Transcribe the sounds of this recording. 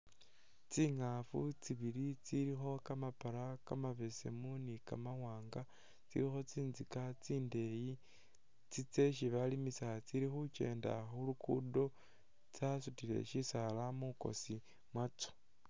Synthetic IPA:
t͡siŋafut͡siβilit͡siɾixo̞kamapaɾakamaβe̞se̞munikamawaːŋɡa | t͡sḭɾixo̞t͡siːnzikat͡siːnde̞ji | t͡sit͡se̞ʃ̬iβalimisat͡siɾixut͡ʃe̞̰ːnda̰xulukṵdo̞ | t͡sasutile̞̰ʃisalamuko̞̰si | mwat͡so̥

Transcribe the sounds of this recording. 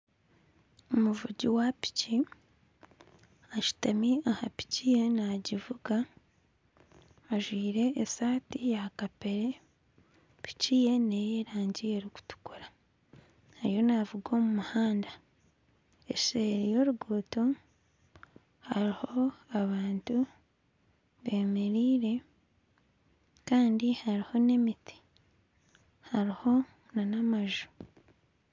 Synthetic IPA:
omuvuɟiwapi̥ci | aʃu̥tamiahapi̥cije̞naɟivuɡa | ʒwiːɾe̞ːsaːtijakape̞ɾe | pi̥cije̞ne̞jeɾaːɲɟieɾiku̥tu̥kuɾḁ | hajo̞navuɡo̞ːmumuhaːnda | eseɾijo̞ɾuɡuːto | haɾiho̞aβaːntu | βe̞ːmeɾiːɾe̞ | kaːndihaɾiho̞ne̞miti̥ | haɾiho̞ | nanamaʒu̥

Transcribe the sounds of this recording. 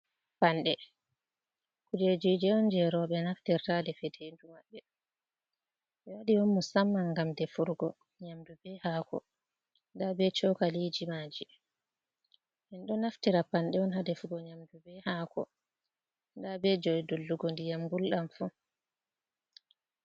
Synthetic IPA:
panɗɛ | kud͡ʒed͡ʒid͡ʒɛɔnd͡ʒɛɾɔɓɛnaftiɾtadɛfɛtʰendumaɓːɛ | ɓɛwaɗiwɔnmusamːaŋɡamdɛfuɾɡɔ | ɲamdubɛhaːkɔ̰ | ndabɛt͡ʃɔkalid͡ʒimaːd͡ʒi | ʔɛnɗɔnaftiɾapanɗɛɔnɦadɛfuɡɔɲamdubɛhakɔ̰ | ndabɛd͡ʒɔjdulːuɡɔndijamɡulɗamfu

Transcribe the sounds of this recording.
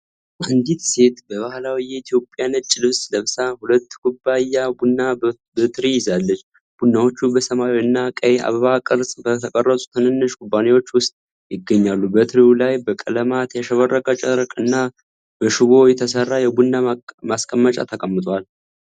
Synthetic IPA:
ʔand̪it̪se̞t̪bəβahlawijɛit̪ʰjo̞pʼjanət͡ʃʼɪlɨβsləβsahulət̪ːkʰubːajabunːa | bət̪ɾijɪzalːət͡ʃː | b̥unːawo̞t͡ʃːubəsəmajiɨnːakʼəjʔa̰βəβakʼɨɾsʼbət̪ʰəkʼərːəsʼu̥t̪ʰənɨnːɨʃkʰʼubːanewo̞t͡ʃːwʊst̪ʼ | jɪɡːəɲːalːubət̪ʰɾiulajbəkʼələmat̪ʰjaʃəβərːəkʼət͡ʃʼəɾkʼɨnːa | b̥əʃɪɡo̞jɛt̪ʰəsərːajɛbunːamaskʼəmːət͡ʃʼa̰t̪ʰəkʼəmːɨt̪ʼwal

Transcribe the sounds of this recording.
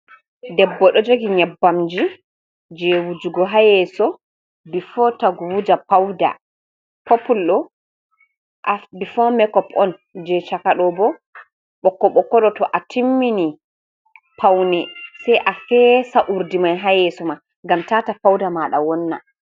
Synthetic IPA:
dɛbːɔɗɔd͡ʒoɡiɲɛbːamd͡ʒi | d͡ʒɛwud͡ʒuɡɔɦajɛsɔ | bifɔtaɡuwud͡ʒapawda̰ | popːulɗɔ | ʔabifɔmɛkɔpɔn | d͡ʒɛt͡ʃakaɗɔbɔ | ɓɔkːɔɓɔkːɔɗɔtɔʔatʰimːini | pʰawnɛsɛjʔafɛsaʔuɾdimajɦajɛsɔma | ŋɡamtatapawdamaɗawɔnːa̰

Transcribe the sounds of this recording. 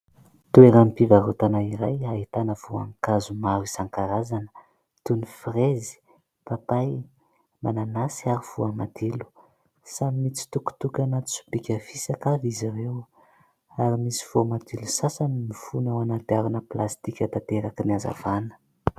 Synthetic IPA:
t̪ueɾampivaɾot̪anaiɾajaɦit̪anəv̥ua̰ŋkazumaɾisaŋkaɾazanə̥ | t̪unifrezi̥ | papaj | mananasiaɾiv̥uamad̪ilu̥ | samimit͡si̥t̪uku̥t̪ukʲanat̪i̥su̥pikʲafisakavizaɾew | aɾimisi̥v̥omad̪ilusasanimifunawanant̪iaɾunəplast̪ikʲət̪at̪eɾakiniaza̰vanə̥

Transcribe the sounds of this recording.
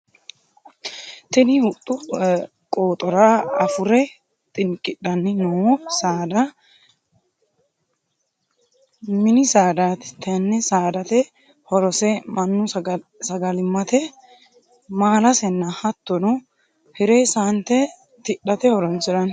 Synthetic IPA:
t̪ɪnɪhʊt̪ʼːʊ | kʼoːt̪ʼɔɾaɐfʊɾɛ | t̪ʼɪŋkʼɪɗɐnːɪnɔsaːd̪ɐ | mɪnɪsaːd̪aːt̪ɛ̥t̪ɐnːɛsaːd̪ɐt̪ɛ | hɔɾɔsɛmɐnːʊsɐɡɐlɪmːɐt̪ɛ | maːlɐsɛnːɐhɐt̪ːɔnɔ | hɪɾeːsaːnt̪ɛ | t̪ɪᶑːɐt̪ɛhɔɾɔnsɪɾɐn

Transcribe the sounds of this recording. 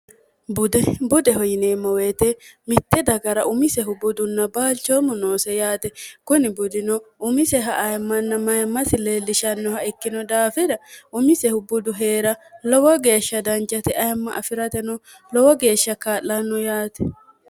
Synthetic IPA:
bʊd̪ɛbʊd̪ɛɦɔjɪneːmɔweːt̪ɛmɪt̪ːɛd̪ɐɡɐɾɐʔʊmɪsɛɦʊbʊd̪ʊnːɐbaːlt͡ʃːomʊnoːsɛjaːt̪ɛkʊnɪbʊd̪ɪnɔʊmɪsɛɦɐʔɐjmːɐnːɐmɐjɐmːɐsɪle̞ːlːɪʃɐnːɔhɐɪkːɪnɔd̪aːfɪd̪ɐʊmɪsɛhʊbʊd̪ʊɦe̞ːɾɐlɔwɔɡe̞ːʃːɐd̪ɐnt͡ʃʼːɐt̪ɛʔɐjɐmːɐʔɐfɪɾɐt̪ɛnɔ | lɔwɔɡe̞ːʃːɐkaːlːɐnːɔjaːt̪ɛ̥

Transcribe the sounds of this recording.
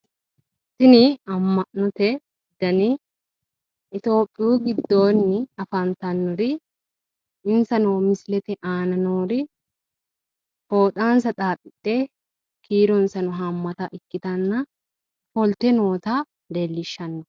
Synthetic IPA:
sɪnɪɐmːɐʔnɔt̪ɛ | ɪd̪ːɐnɪ | ʔɪt̪o̞ːpʼːɪjuːɡɪd̪ːo̞ːnːɪɐfɐnt̪ɐnːɔɾɪ | ɪnsɐnoːmɪsɪlɛt̪ɛʔaːnɐnoːɾɪ | fo̞ːt̪ʼaːnsɐt̪ʼaːpʼɪt̪ʼːeː | kʰiːɾɔnsɐnɔɦɐmːɐt̪ɐʔɪkːɪt̪ɐnːɐ | fɔlt̪ɛno̞ːt̪a | d̪elːɪʃːɐnːɔ

